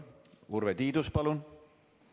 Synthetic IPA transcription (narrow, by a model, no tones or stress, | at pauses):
urvet̪iːd̪uspɑlun